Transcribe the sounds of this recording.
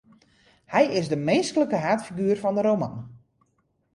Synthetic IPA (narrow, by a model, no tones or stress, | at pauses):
hɛjɪzdəmenskələkəɦaːtfiɡyːrfɔndəɾowma̰n